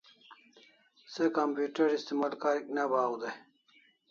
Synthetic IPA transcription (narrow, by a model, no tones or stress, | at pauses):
sekampjuːʈɐɾist̪imaːlkaɾiknabaːwud̪e